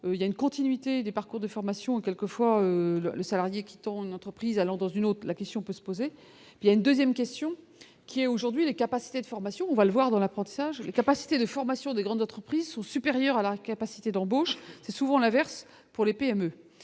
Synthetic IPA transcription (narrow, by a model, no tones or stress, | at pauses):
øiljaynkɔ̃t̪inɥit̪ed̪epaʁkuʁd̪əfɔʁmasjɔ̃ekʲɛlkəfwaølələsalaʁjekʲi̥t̪ɑ̃ynɑ̃t̪χəpχizalɑ̃d̪ɑ̃zynot̪χlakʲɛst̪jɔ̃pøsə̥poze | pijaynd̪øzjɛmkʲɛst̪jɔ̃ | kʲiɛoʒuʁd̪ɥilekapasi̥t̪ed̪əfɔʁmasjɔ̃ɔ̃valəvwaʁd̪ɑ̃lapχɑ̃t̪i̥saʒlekapasi̥t̪ed̪əfɔʁmasjɔ̃d̪eɡʁɑ̃d̪zɑ̃t̪χəpχizsɔ̃sypeʁjœʁalakapasi̥t̪ed̪ɑ̃boʃsɛsuvɑ̃lɛ̃vɛʁs | puʁlepeɛmø